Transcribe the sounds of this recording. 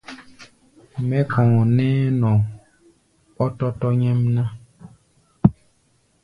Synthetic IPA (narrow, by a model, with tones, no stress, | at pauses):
mɛ̃˦kɔ̃˨ŋɔ̃˨nɛ̃˦nɔ̃˨ | ɔ˦tɔ˦tɔ˦ɲɛ̃˦mnã˦